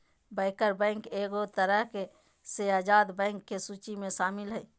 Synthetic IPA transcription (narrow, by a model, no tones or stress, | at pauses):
bəɪkəɾbɛ̃ːŋkeːɡot̪əɾəɦke | seaːd͡ʒaːd̪bɛ̃ːŋkːesuːt͡ʃimẽʃaːmɪlɦɛ